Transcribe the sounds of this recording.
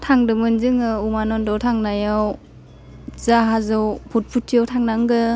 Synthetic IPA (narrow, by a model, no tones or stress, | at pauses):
tʰaŋdɯmɯnzɯŋɯumanɔndɔwtʰaŋnajaw | zaɦazɯwpʰut̚pʰutʰːijawtʰaŋnaŋɡɯ